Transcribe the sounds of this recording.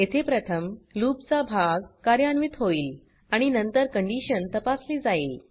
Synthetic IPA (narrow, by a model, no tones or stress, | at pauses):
et̪ʰepɾət̪ʰəmluːp̚t͡sabʱaɡkaɾjanʋit̪ɦoiːl | aɽ̃inənt̪əɾkəɳɖiɕənt̪əpasliːd͡zaiːl